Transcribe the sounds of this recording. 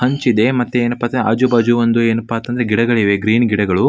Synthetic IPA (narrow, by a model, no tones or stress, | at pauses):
hɐɲt͡ʃid̪e̞mɐt̪ːeeːnɐpːaːt̪ɐɐ̰d͡ʒubɐd͡ʒuʋɐnd̪ueːnɐpːaːt̪ːɐnd̪ɐɾeɡiɽɐɡɐɭiʋe̞ɡɾiːnɡiɽɐɡɐɭu